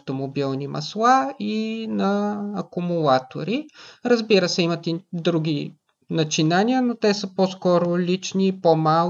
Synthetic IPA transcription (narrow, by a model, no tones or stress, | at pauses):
ft̪omobilˠnimɐ̰slˠainɐːkʊmulˠat̪o̰ɾiɾəzbiɾəsɛimɐt̪id̪ɾuɡʲi | nɐt͡ʃinaniənot̪ɛsəposkɔɾolʲit͡ʃnipomal